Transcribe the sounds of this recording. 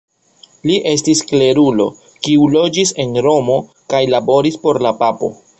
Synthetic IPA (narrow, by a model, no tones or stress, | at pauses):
liʔe̞stiskle̞ɾulo̞̰ | kiulo̞d͡ʒise̞nɾo̞mo̞ | kajlabo̞ɾispo̞ɾlapapo̞̰